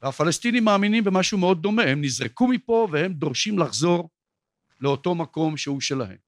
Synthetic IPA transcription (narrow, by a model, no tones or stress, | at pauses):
veafalest̪inimːaːminimbemaʃumeo̞d̪̚ːo̞me̞hemnizʁekumipo̞vehe̞md̪o̞ʁʃimlaχzo̞ʁ | leo̞t̪o̞mako̞mʃehuʃe̞lahe̞̰m